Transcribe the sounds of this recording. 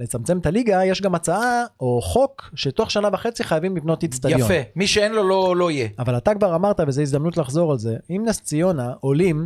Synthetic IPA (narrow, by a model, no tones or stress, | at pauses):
le̞t͡samt͡se̞mt̪aliɡaje̞ʃɡamat͡saao̞χo̞kʃe̞toχʃanavaχe̞t͡siχajavimlipno̞t̪itst̪adjajofemiʃeenlololo̞ijeavalat̪akvaʁamaʁt̪avezeizd̪amnutlaχzo̞ʁalze̞imnast͡sijo̞naʔo̞lim